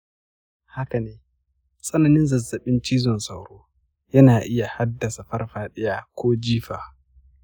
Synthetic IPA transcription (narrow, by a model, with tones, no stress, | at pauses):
ha˦ka˨neː˦ | sʼɐ˦nɐ˨nɪ˦nzɐ˨zːɐ˨ɓɪ˦nt͡ʃiː˦zɔ˨nsʼɐa˨wɽoː˦ | jɐ˦naː˨ʔɪ˦ja˨ha˦dːɐ˨sa˨ɸɐ˦rɸaː˨ɗɪ˦jaː˦kʷoː˦d͡ʒiː˦ɸaː˨